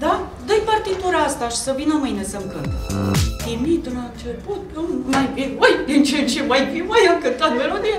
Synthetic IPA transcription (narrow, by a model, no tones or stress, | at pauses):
d̪a | d̪əjpart̪it̪uɾaast̪aʃi̥səvinəmɨjnesəmkɨnt̪t̪imit̪ɨnat͡ʃeput̪̚əmmajbiojd̪int͡ʃent͡ʃemajfimajamkɨnt̪at̪meɾod̪i